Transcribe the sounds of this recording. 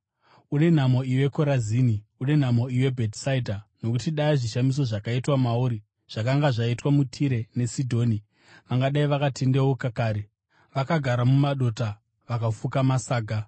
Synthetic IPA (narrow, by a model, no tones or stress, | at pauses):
une̞n̤amo̞iwe̞ko̞ɾaziːniune̞n̤amo̞iwe̞bʱetsaidʱano̞kutiɗaiʐiʃamis̬o̞ʐakaitwamauɾi | ʐ̥akaŋɡaʐaitwamutʰiɾe̞ne̞sidʱo̞ːni | ʋaŋɡaɗaiʋakatʰendewokakaːɾe | ʋakaɡʱaɾamumaɗo̞ta | ʋakafukamasaːɡʱa